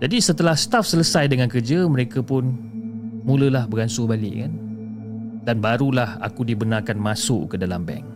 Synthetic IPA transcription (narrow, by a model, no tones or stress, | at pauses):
d͡ʒadisət̪əlahsə̥t̪afsələsajdəŋankərd͡ʒəməɾekapʊn | mũləlahbəɾansʊbalɪ̰ʔkan | danbaɾulaha̰kudibənarkanmasʊ̰ʔkədalambɛ̰ŋ